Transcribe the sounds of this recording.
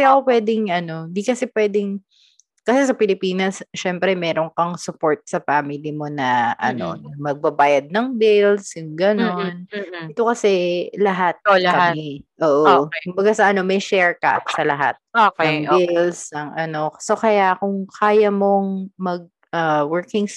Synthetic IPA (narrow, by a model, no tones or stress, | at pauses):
jaʔkopwɛːd̪ɪŋʔɐno̞ɪnd̪ikɐsɛpwɛːd̪ɪŋ | kɐsɛsɐpɪlɪpiːnɐsʃɛmpɾɛmɛːɾo̞ŋkɐŋsʊpo̞ɹt̪̚sɐfaːmɪlimo̞nɐʔɐ̰no̞̰nɐmɐɡ̚bɐbaːjɐd̪̚nɐŋbɪlsjʊŋɡɐno̞nʔɛt̪o̞kɐsɛlɐɦat̪̚ɐkɐamɛʔoːʔokʊmbɐɡasɐʔɐno̞mɐjʃɛɹka̰psɐlɐɦa̰t̪̚oɐŋbɪlsɐŋʔɐno̞kɐso̞kɐjakʊŋkʰaːjɐmo̞ŋmɐɡ̚ | ʔawɛɹkɪŋs